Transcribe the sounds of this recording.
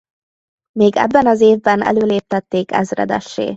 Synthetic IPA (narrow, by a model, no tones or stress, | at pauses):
meːɡɛ̰bːɛnɒzeːvbɛnɛ̰løːleːp̚t̪ɛt̪ːeːkɛ̰zrɛ̰d̪ɛ̰ʃːḛː